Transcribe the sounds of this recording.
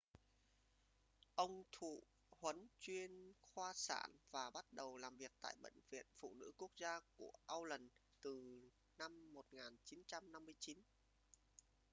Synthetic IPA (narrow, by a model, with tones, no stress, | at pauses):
ʔə˧wŋ͡mt̪ʰṵ˧˨ | hwə˨˦nt͡ɕwi˧ənxwaː˧sa̰ː˧˩nvaː˨˩ɓa˦˥t̚ɗə˨˩wlaː˨˩mvi˨˩ək̚t̪a̰ː˧˨jɓə̰˧˨jŋ̟vḭ˧˨ənfṵ˧˨nɨ̰˧˥ku˦˥ək̚zaː˧ku˧˩əʔaː˧wlə˨˩n | t̪ɨ˨˩ | na˧mːo˨˩t̚ŋaː˨˩nt͡ɕi˨˦nt͡ɕa˧mna˧mːɨ˧əjt͡ɕi˨˦n